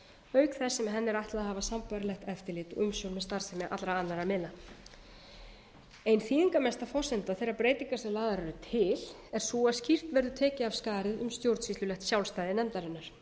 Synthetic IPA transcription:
œːɥkθɛsːɛmɦɛnːɪɾaht̪laðhaːvasampaɾalɛxt̪ɛft̪ɪɾlɪːt̪ɔʏmsjownmɛst̪aɾ̥sɛmɛʔa̰t̪lɾaanːaɾamɪna | ejnθiːðiŋkamɛst̪afɔsɛnt̪aθɛjɾːaɾpɾeːjt̪iŋkasɛlaːðaɾaɾʏt̪ʰɪl̥ | ɛɾ̥suːascir̥t̪vɛɾðʏt̪ʰɛːcɪav̥skaːɾɪðʏmst̪jowɾt̪svist̪ʏlɛhxt̪sjawlst̪aːjðɪnɛmt̪aɾɪnːaɾ̥

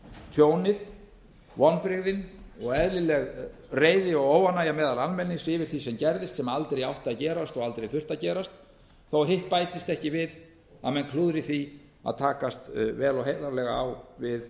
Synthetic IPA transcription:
t̪ʰjoːwnɪð | vɔnpɾɪɣðɪnɔɣɛðlɪlɛɣ | reːjðɪɔɣoːwanaːjamɛːðalalmɛnːɪsɪːvɪɾ̥θisɛmcɛɾðɪst̪sɛmalt̪ɾejawht̪aðcɛːɾast̪ɔɣalt̪ɾejθʏr̥t̪acɛːɾast̪ | θowɦɪht̪̚paːjt̪ɪst̪ɛhcɪvɪð | aðmɛnkʰluðɾɪθi | a̰ðt̪ʰaːkast̪vɛːlɔɦeːjðaɾlɛɣaawvɪð

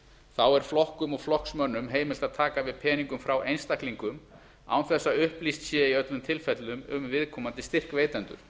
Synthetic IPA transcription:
θawɛɾ̥flɔhkʏmɔɣflɔhksmœnːʏmɦeːjmɪlt̪aðt̪ʰaːkavɪðpʰɛːniŋkʏmfɾawʔejnst̪ahkliŋkʏm | a̰wnθɛsːaʏhplist̪sjɛːiœt̪lʏmt̪ʰɪlfɛt̪lʏmʏmvɪðkʰɔːmant̪ɪst̪ɪr̥kveːjt̪ɛnt̪ʏ̰ɾ̥

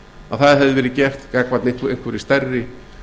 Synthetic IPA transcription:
aðθaðhɦɛvðɪvɛːɾɪðcɛft̪kakvat̪neŋkejn̥kʰvɛɾist̪ɛrːɪ

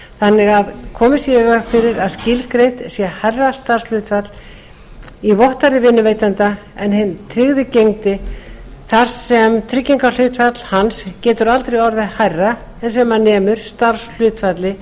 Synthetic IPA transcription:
θanːɪɣaðkʰɔːmɪsjɛɪɣaɣfɪɾɪɾaðscɪlkɾejht̪sjɛhajrːast̪ar̥sl̥ʏːt̪fat̪l̥ | ivɔht̪aɾðɪvɪnːʏveːjt̪ant̪a | ɛnhɪnt̪ʰɾɪɣðʏcejŋt̪ɪ | θaɾ̥sɛmt̪ʰɾɪcːiŋkal̥ʏːt̪fat̪l̥hanscɛːt̪ʏɾalt̪ɾejɔɾðɪhajrːa | ɛns̬ɛmanːɛːmʏɾ̥st̪aɾ̥sl̥ʏːt̪fat̪lɪ

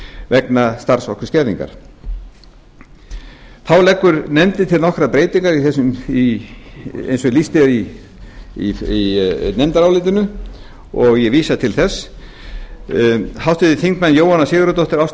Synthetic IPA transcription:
vɛknast̪aɾsvɔhkʏscɛɾðḭŋka̰ɾ̥ | θawlɛkːʏɾnɛmt̪ɪt̪ʰɪlnɔhkɾapɾeːjt̪iŋkaɾiθɛsʏmi | ḛjnsɔlist̪ɪɾi | inɛmt̪aɾawlɪːt̪ɪnʏ | ɔɣjɛviːsat̪ʰɪlθɛsː | hawst̪ɪðɪθiŋkmanjoːwanːasɪːɣʏɾʏt̪owht̪ɪɾaws

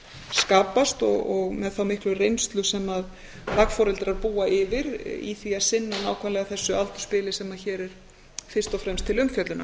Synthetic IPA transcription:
skaːpast̪ɔɣɔɣmɛðθawmɪhklʏrejnst̪lʏsɛmað | lakfɔːɾɪlt̪ɾaɾpuːaʔɪvɪɾḭθviaðsɪnːanaːwkʰvɛnlɛɣaθɛsːʏal̥t̪ʏ̥spɪːlɪsɛmaçɛːɾɛɾ̥ | fɪr̥st̪ɔfɾɛmst̪ʰːɪlʏmçœt̪lʏna̰

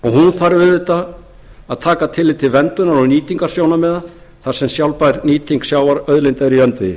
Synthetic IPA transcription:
ɔɣɦunθaɾvɪðvɪt̪a | aðt̪ʰaːkat̪ʰɪlːɪt̪ʰːɪlvɛnt̪ʏnaɾɔniːt̪iŋkaɾ̥sjoːwnamɛːða | θaɾ̥sɛmsjawlpajɾniːt̪iŋksjaːwvaɾœðlejnt̪ajɾiœnt̪vɪɪ

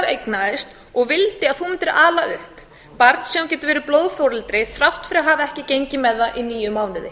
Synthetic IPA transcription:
ɾejknaðɪst̪ | ɔɣvɪlt̪ɪaðθumɛt̪ɛɾʔaːlaʔʏhp | paɾt̪n̥sɛɣumcɛːt̪ʏvɛːɾʏplowðfowɾɪlt̪ɾɪθɾawht̪fɪɾɪaɦaːvɛhcɪcejɲcɪmɛðːaʔiniːjʏmːaːwnʏðɪ

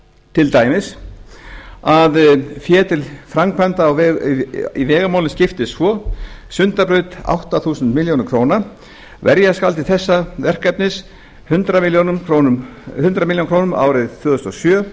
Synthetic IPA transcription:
t̪ʰɪlt̪aːjmɪs | aðfjɛːt̪ɪlfɾaŋkʰvɛnt̪aːwv | ivɛːɣamawlɪnscɪft̪ɪsvɔsʏnt̪apɾʏɥt̪a̰wht̪aθuːsʏnt̪mɪljownɪkʰɾ̥oːwna | vɛɾjaskalt̪ɪθɛsːavɛr̥kapnɪs | hʏnt̪ɾamiljonkonhʏnt̪ɾamiljonŋkʰɾownʏmʔa̰ːwɾɪðθvœːðʏst̪ɔsjœː

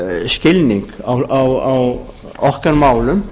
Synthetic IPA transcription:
scɪlniŋkawawaw | ɔhkaɾmaːwlʏm

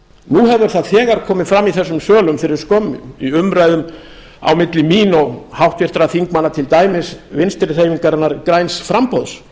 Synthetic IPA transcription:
nuhɛvʏɾ̥θaðθɛːɣaɾkʰɔːmɪfɾamːiθɛsːʏmsœːlʏmfɪɾɪɾ̥skɔmːʏiʏmɾajðʏm | a̰wmɪt̪lɪmiːnɔɣhawht̪vɪɾ̥t̪ɾaθiŋkmanːat̪ʰɪlt̪aːjmɪsvɪnst̪ɪɾr̥ejmiŋkaɾɛnːaɾkɾajnsfɾampɔðs

